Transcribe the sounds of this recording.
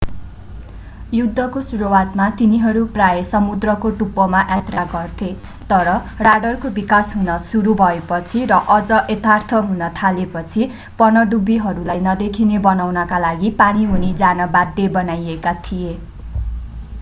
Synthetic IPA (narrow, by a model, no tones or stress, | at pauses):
jud̪ʱːʌkosuɾuwat̪mat̪iniɦʌɾuprajesʌmud̪rʌkoʈupːʌmaʔjat̪raɡʌrt̪ʰe | t̪ʌɾʌraɖʌrkobikasɦunʌsuɾubʱʌepʌt͡sʰirʌʔʌd͡zʌʔet̪art̪ʰʌɦunʌt̪ʰalepʌt͡sʰi | pʌnʌɖubiɦʌɾulajnʌd̪ekʰinebʌnawnʌkalaɡipaniɦunid͡zanʌbad̪ʱːebʌnajekat̪ʰije